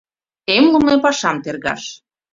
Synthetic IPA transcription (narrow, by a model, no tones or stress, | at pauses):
emlumepɑʃɑmt̪erɣɑ̰ʃ